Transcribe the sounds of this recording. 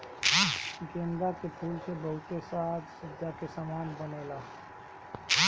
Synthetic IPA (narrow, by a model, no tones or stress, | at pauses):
ɡend̪ɾakepʰulsebəɦut̪esad͡ʒ̪sədd͡ʒakesəmanbənela